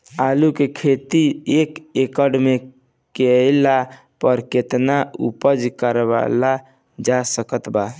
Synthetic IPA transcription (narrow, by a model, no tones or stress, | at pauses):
alukekʰet̪iekekəɖme | kela | pəɾket̪naṵpəd͡ʒkəɾeβa̰la | d͡ʒasəkət̪ba